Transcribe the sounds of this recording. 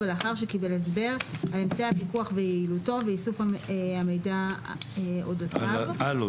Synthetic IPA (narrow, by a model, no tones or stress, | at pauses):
eleaχaʁʃekibelezbe̞ʁhalemt͡seapikuaχvejeiːluto̞veisufaame̞jda | odotvalo